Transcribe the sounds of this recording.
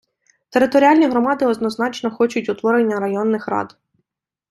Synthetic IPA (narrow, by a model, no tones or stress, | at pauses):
t̪eɾɪt̪ɔɾʲialʲnʲiɦɾɔmɑd̪ɪɔd̪nɔznɑt͡ʃnɔxɔt͡ʃʊtʲʊt̪ʋɔɾɪnʲːɐɾɐjɔnːɪxrɑ̰d̪